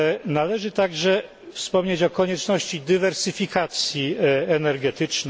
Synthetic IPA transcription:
nalɛʐɘt̪aɡʐɛ | fspɔmɲet͡ɕɔkɔɲɛt͡ʂnɔɕt͡ɕid̪ɘvɛɾsɘfʲikat̪sʲjiɛnɛɾɡɛt̪ɘt͡ʂn

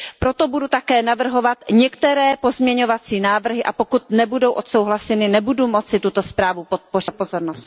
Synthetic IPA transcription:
pɾo̞t̪o̞budut̪akɛːnavr̩ɦo̞vat̪ɲɛkt̪ɛɾɛːpo̞zmɲɛɲo̞vat͡siːnaːvr̩ɦɪʔa̰po̞kut̪nɛbudo̞wʔot̪so̞wɦlasɛnɪnɛbudumo̞t͡sɪt̪ut̪o̞spɾaːvupo̞t̪̚porɪpo̞zo̞ɾnost̪

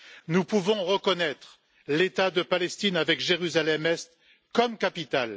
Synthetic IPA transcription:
nupuvɔ̃ʁəkɔnɛt̪χ | let̪ad̪əpalɛst̪inavɛkʒeʁyzalɛmɛst̪ | kɔmkapit̪al

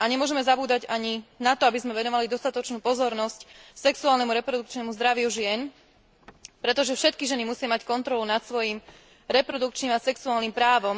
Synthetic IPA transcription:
aɲɛmʊɔʒɛmɛzabuːd̪aɟaɲinat̪ɔabizmɛʋɛnɔʋalid̪ɔst̪at̪ɔt͡ʃnuːpɔzɔɾnɔscsɛksuaːlnɛmuɾɛpɾɔd̪uk̚t͡ʃnɛmuzd̪ɾaʋɪjuʒɪɛn | pɾɛt̪ɔʒɛfʃɛt̪kiʒɛnimusɪamackɔnt̪ɾɔlunat̪sʋɔjim | ɾɛpɾɔd̪ukt͡ʃnimasɛksuaːlnimpɾaːʋɔm

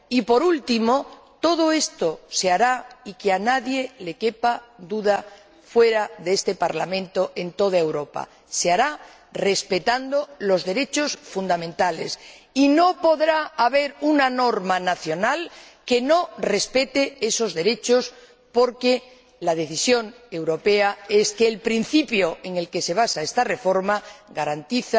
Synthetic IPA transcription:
ipo̞ɾult̪imo̞ | t̪o̞ð̞o̞e̞st̪o̞seaɾaikeanaðje̞le̞ke̞pad̪uð̞a | fwe̞ɾaðeest̪e̞paɾlamẽ̞nt̪o̞ʔe̞nt̪o̞ð̞aewɾo̞pa̰ | seaɾa | re̞spe̞t̪and̪o̞lo̞zðe̞ɾe̞t͡ʃo̞sfund̪amẽ̞nt̪ale̞sino̞po̞ðɾaːβe̞ɾunano̞ɾmanaθjo̞nalke̞no̞re̞spe̞t̪ee̞so̞zðe̞ɾe̞t͡ʃo̞s | po̞ɾke̞ | lað̞e̞θisjo̞ŋ | e̞wɾo̞pe̞ae̞skeːlpɾin̟θipjo̞e̞ŋe̞lke̞se̞β̞asaest̪are̞fo̞ɾmaɡaɾant̪iθa

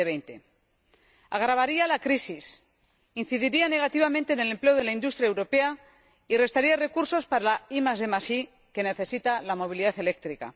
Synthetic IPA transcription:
eβejnt̪e̞̰ | aɣɾaβaɾialakɾisis | in̟θiðiɾiane̞ɣ̞at̪iβ̞amẽ̞nt̪e̞ːne̞le̞mple̞oð̞elaind̪ust̪ɾjaewɾo̞pe̞a | ire̞st̪aɾiare̞kuɾso̞spaɾalaimazðe̞masi | ke̞ne̞θe̞sit̪alamo̞β̞iliðaθe̞le̞k̚t̪ɾika̰

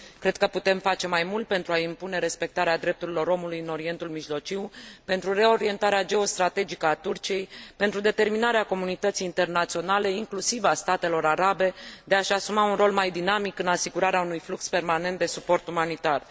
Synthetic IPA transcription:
kɾe̞d̪̚kəput̪e̞mfat͡ʃe̞majmult̪̚pe̞nt̪ɾuaimpune̞ɾe̞spe̞k̚t̪aɾead̪ɾe̞p̚t̪uɾilo̞ɾo̞mulujɨno̞ɾie̞nt̪ulmiʒlo̞t͡ʃiwpe̞nt̪ɾure̞o̞ɾie̞nt̪aɾead͡ʒe̞o̞st̪ɾat̪e̞d͡ʒikəat̪urt͡ʃije̞jpe̞nt̪ɾud̪e̞t̪e̞rminaɾeako̞munit̪ət̪sijːnt̪e̞rnat̪sio̞nale̞iŋklusivast̪at̪e̞lo̞ɾaɾabe̞d̪e̞aʃasumaunro̞lmajd̪inamikɨnasiɡuɾaɾeaunujflukspe̞rmane̞nt̪̚d̪e̞supo̞rt̪umanit̪ar

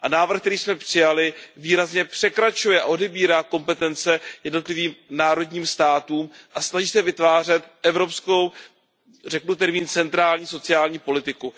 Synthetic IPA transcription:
ʔanaːvr̩xkt̪ɛɾiːsmɛpr̥ɪjalɪviːɾazɲɛpr̥ɛkɾat͡ʃujɛʔa̰ʔo̞dɛbiːɾaːko̞mpɛt̪ɛnt͡sɛjɛdno̞t̪lɪviːmnaːɾo̞dɲiːmst̪aːt̪uːmʔasnaʒiːsɛvɪt̪vaːr̝ɛt̪ʔɛvɾo̞psko̞w | rɛknut̪ɛɾmiːnt͡sɛnt̪ɾaːlɲiːso̞t͡sɪjaːlɲiːpo̞lɪt̪ɪku

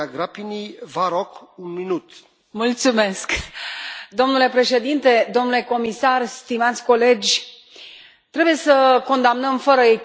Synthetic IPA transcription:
aɡɾapinivaɾokunminut̪ | mult̪sume̞sk | d̪o̞mnule̞pɾe̞ʃe̞d̪int̪e̞d̪o̞mnule̞ko̞misarst̪imat̪sʲko̞le̞d͡ʒʲ | t̪ɾe̞buje̞səko̞nd̪amnəmfəɾəe

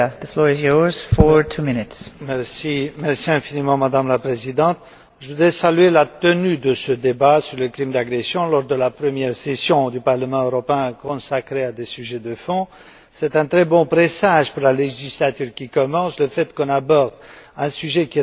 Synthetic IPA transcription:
ðəflɔɹɪzjɔɹz̥fɔɹtʰumɪnɪtsmɛʁsimɛʁsiɛ̃finimɑ̃mad̪amlapχezid̪ɑ̃t̪̚ | ʒəvud̪ʁɛsalyelat̪ənyd̪əsəd̪ebasyʁləklimd̪aɡʁɛsjɔ̃lɔʁd̪əlapχəmjɛʁsesjɔ̃d̪ypaʁləmɑ̃øʁɔpeɛ̃kɔ̃sakχead̪esyʒɛd̪əfɔ̃ | sɛt̪ɛ̃t̪χɛbɔ̃pʁesaʒpuʁlaleʒislat̪yʁkʲikɔmɑ̃sləfɛt̪kɔ̃nabɔʁd̪ɛ̃syʒɛkʲi

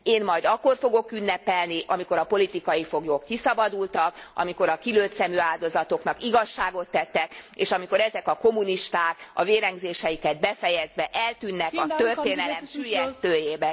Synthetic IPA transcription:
eːnmɒjd̪ɒkːo̞rfo̞ɡo̞kynːɛpɛlniʔɒmiko̞ɾɒpo̞lit̪ikɒjifoɡjokːisɒbɒd̪ult̪ɒkɒ̰miko̞ɾɒkiløːt̪sɛmyaːld̪o̞zɒt̪o̞knɒkiɡɒʃːaːɡo̞t̪ːɛt̪ːɛkeːʃɒmiko̞ɾɛzɛkɒko̞mːuniʃt̪aːkɒ̰veːɾɛŋɡzeːʃɛjikɛd̪̚bɛfɛjɛzʋɛʔɛlt̪ynːɛkɒt̪øreːnɛlɛmʃyjɛst̪øːjeːbɛ

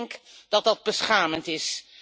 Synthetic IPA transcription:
ŋkdɑt̚dɑd̚bəsχaːməntɪs

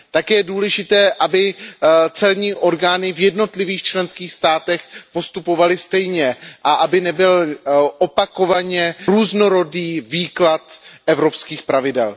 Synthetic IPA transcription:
t̪akɛjɛduːlɛʒɪt̪ɛːʔabɪt͡sɛlɲiːʔo̞ɾɡaːnɪvjɛdno̞t̪lɪviːxt͡ʃlɛnskiːxst̪aːt̪ɛxpo̞st̪upo̞valɪst̪ɛjɲɛʔaʔabɪnɛbɪlʔo̞pako̞vaɲɛɾuːzno̞ɾo̞diːviːklat̪ʔɛvɾo̞pskiːxpɾavɪdɛ̰l

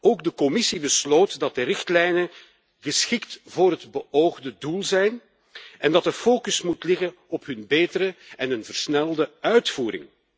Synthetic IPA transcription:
oːɡ̚dəkɔmɪsibəsloːtdɑt̚dəɾɪxtlɛjnə | ɣəsxɪktvʊːrɾɦədbəʔoːwɣdədulˠzɛjn | ɛndɑtəfoːkɵsmutlɪɣən | ɔpɦɵnbeːtəɾəɛnənvərsnɛlˠdəœɥtfuːɾɪ̰ŋ

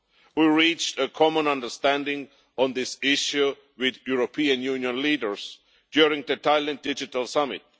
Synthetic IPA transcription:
wiɹit͡ʃtəkʰɔmə̃nʌ̃ndə˞stæ̃ndɪ̃ŋ | ɔ̃nðɪsɪʃju | wɪðjuɹopʰiə̃njũnjə̃nliːdə˞z̥ | d̥jʊɹɪ̃ŋðɨtʰaɪlə̃nd̥ɪd͡ʒɪtəlˠsʌmɪ̰t̚

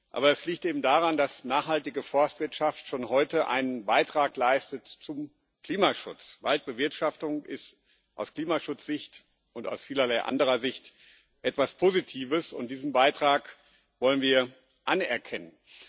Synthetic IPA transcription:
ʔa̰ːbɐɛsliːk̚tʔeːbm̩daːʁandasnaːχhaltɪɡəfɔɐstv̥ɪɐtʃaftʃoːnɦɔʏtəʔa̰ɪnənbaɪtʁ̥aːklaɪstətt͡sʊm | kl̥iːmaʃʊ̰t͡svalt̚b̥əvɪɐtʃaftʊŋʔɪst | ʔa̰ʊskl̥iːmaʃʊt͡sz̥ɪçt | ʊnta̰ʊsfiːlɐlaɪʔa̰ndəʁɐzɪçt | ʔɛtv̥aspʰoːzitʰiːvəsʊnt̚d̥iːzn̩baɪtʁ̥aːk | vɔlənviːɐ | ʔanɛɐkʰɛnən

